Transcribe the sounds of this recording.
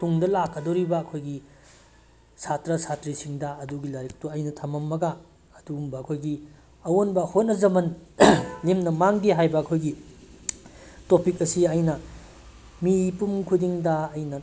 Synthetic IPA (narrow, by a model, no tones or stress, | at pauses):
tuŋdɐlakːɐdoɾibɐːkʰojɡi | sʰatɾɐsʰatɾisiŋdɐɐduɡilɐɾik̚tuɐjnɐtʰɐmɐmːɐɡaː | duːmbɐːkʰojɡi | ɐwonbɐhot̚nɐzɐmɐn | lemnɐmaŋdiɦajbɐːkʰojɡi | topik̚ɐsiɐjnɐ | miːpumkʰudiŋdɐːjnɐ